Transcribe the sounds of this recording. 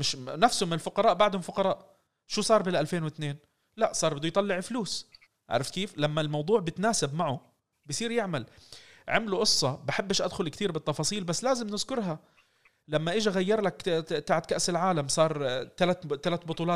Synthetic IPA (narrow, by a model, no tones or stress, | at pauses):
mɪʃnafsʊmɪnɪlfʊqɑɾˤɑːʔbaʕd̪hʊmfʊqɑɾˤɑːʔ | ʃuːsˤɑːɾˤbɪlʔalfeːnwɪt̪neːn | laʔsˤɑːɾˤbɪd̪ʊjt̪ˤɑlːɪʕɪfluːs | ʔa̰ʕɾˤɪfkeːflamːalmɑwd̪ˤuːʕbɪt̪naːsɪbmaʕʊ | bjsˤiːɾjɪʕmalʕamluʔʊsˤːɑbaħɪbːɪʃʔad̪xʊlkt̪iːɾbɪt̪ˤːɑfɑːsˤiːlbasːlaːzɪmnɪzkʊɾɦa | lamːaʔɪʒaɣajːɑɾˤlakt̪aːʕɪt̪̚kaʔsɪlʕaːlamsˤɑːɾˤt̪alat̪t̪alat̪̚bʊt̪ˤuːlɑː